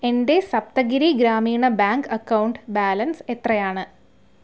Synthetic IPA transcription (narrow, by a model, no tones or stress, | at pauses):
e̞nde̞sɐp̚t̪ɐɡiɾiɡɾaːmiːɳɐbaːŋkɐkːɐwuɳɖbaːlɐnse̞t̪rɐjaːɳɨ